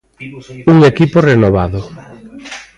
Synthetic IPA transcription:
uŋekiporenoβaðʊ

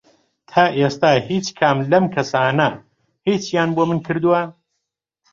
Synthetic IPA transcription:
t̪ʰaːʔeːst̪aːhiːt͡ʃkʰaːmlɐmkʰɐsaːnɐ | hiːt͡ʃjaːnboːmɨnkʰɨɾd̪uwɐ

